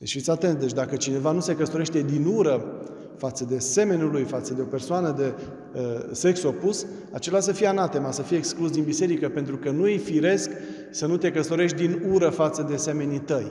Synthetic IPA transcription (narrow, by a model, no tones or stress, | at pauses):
et͡ʃfit̪sʲat̪e̞nt̪d̪e̞t͡ʃʲd̪akət͡ʃine̞vanuse̞kəst̪o̞ɾe̞ʃt̪e̞d̪inuɾə | fat̪səd̪e̞se̞me̞nulujfat̪səd̪e̞o̞pe̞rsoanəd̪e̞ | se̞kso̞pus | at͡ʃe̞las̬əfijeanat̪e̞masəfijeeksklusd̪inbise̞ɾikəpe̞nt̪ɾukənuijfiɾe̞sk | sənut̪e̞kəst̪o̞ɾe̞ʃt̪̚ʲd̪inuɾəfat̪səd̪ese̞me̞nit̪əj